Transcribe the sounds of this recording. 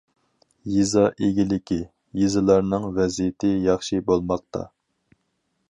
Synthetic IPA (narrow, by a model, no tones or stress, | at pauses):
jizɑʔeɡʲilɪkʲʰi | jizɨlˠɑɾnɨŋvɛzijɪt̪ʰɪjɑχʃibolˠmɑq̚t̪ʰɑ̰